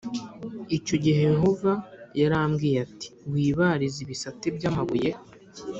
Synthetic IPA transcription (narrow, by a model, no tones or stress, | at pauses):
ico̞ɟiɦejeɦo̞vajaɾamɡiːjati̥wiːβaɾiziβisatibɟaːmaβuje̞